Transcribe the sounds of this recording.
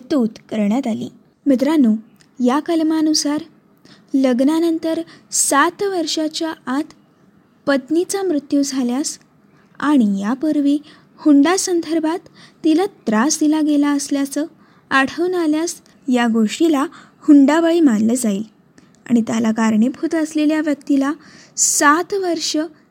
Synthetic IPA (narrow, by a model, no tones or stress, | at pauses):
t̪ot̪kəɾɳjat̪alḭː | mət̪̬ɾanuː | jakəlmanusaɾ | ləɡnanənt̪əɾsat̪ʋəɾʂat͡ɕjaʔat̪ | pət̪nit͡samɾut̪jud͡zʱaljas | aɽ̃ijapəɾʋiː | huɳɖasənd̪ʱəɾbʱat̪ːilat̪ɾasd̪ilaɡelaəsljat͡sə | aɽ̤ʰəʋnaljas | jaɡoʂʈilahuɳɖaʋəɭimanləd͡zaiːl | a̰ɽ̃it̪jalakaɾɳebʱʰuːt̪əsleljaʋjəkt̪ila | sat̪ʋəɾʂə